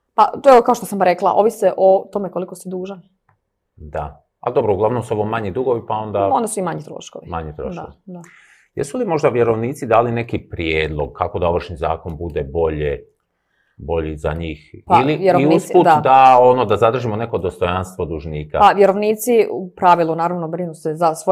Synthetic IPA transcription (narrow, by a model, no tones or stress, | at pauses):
pat̪oɛʋokao̞ʃt̪osamɾeklˠa̰ʔo̞ːʋiseʔot̪o̞mekolikost̪ed̪uːʒan | d̪a̰ | a̰d̪o̞bɾouɡlˠaʋno̞msuo̞ʋo̞maɲid̪uɡo̞ʋipao̞nd̪aond̪asuimaɲit̪ɾo̰ʃkoʋimaɲit̪ɾo̰ʃd̪ao̰ʋid̪a | jḛsulimo̞ʒd̪aʋje̞ɾo̞ʋniːt̪sid̪aːline̞kipɾjeːd̪lˠoɡ̚kʰako̞d̪ao̞ʋr̩ʃniza̰ːko̞nbud̪ebo̞ʎe | bo̞ʎiza̰ɲiːxpailijeoiuuspud̪d̪ao̞nod̪azad̪r̩ʒimone̞ko̞d̪o̞st̪o̞janst̪ʋod̪uʒniːkapaʋjeɾo̞ʋniːt̪siupɾaʋilˠunaːɾaʋnobɾinusezasʋo